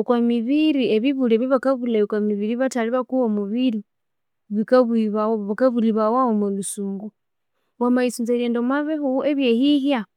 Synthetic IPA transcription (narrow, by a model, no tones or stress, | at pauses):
okwamiβiɾieβiβuleβiβakaβulakwamiβiɾiβataliβakuwomuβili | βikaβuiβaoβakaβuliβawawomulusuːŋɡu | wamaisunzeleːndomaβehueβjehiɦja